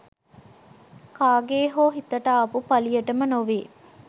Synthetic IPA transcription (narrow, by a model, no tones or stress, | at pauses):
kaːɡeːɦoːɦit̪ːɐʈaːɐpupɐlijɐʈɐmɐnoʋeː